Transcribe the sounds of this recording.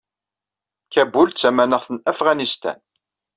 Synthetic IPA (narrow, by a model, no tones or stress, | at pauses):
kæbult͡sːæmænəʁθənæfʁanist̪æ̰n